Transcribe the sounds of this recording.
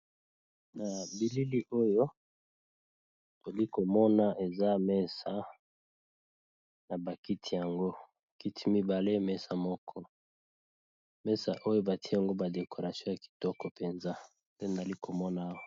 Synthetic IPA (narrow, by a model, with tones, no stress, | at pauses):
na˨bi˨li˦li˦ʔo˦jo˦ | to˨li˦ko˨mɔ˦na˨ʔe˨za˦mɛ˦sa˨˦ | na˨ba˨ki˦tʰi˨ja˨ŋɡo˦ | ki˦tʰi˦mi˦ba˨le˦mɛ˦sa˨mɔ˦kʰɔ˦ | mɛ˦sa̰˨ʔo˦jo˦ba˨ti˦˨a˨ŋɡo˦ba˨de˨ko˨ʁa˨sjɔ̃˦ja˨ki̥˨tɔ˦kɔ˨pe˨nza˦ | pe˦na˨li˦kʰo˨mɔ˦na˨˦wa˨